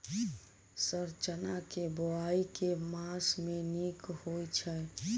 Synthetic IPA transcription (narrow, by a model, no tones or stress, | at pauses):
səɾt͡ʃənakeboaikemãsmenikhojt͡ʃʰɛ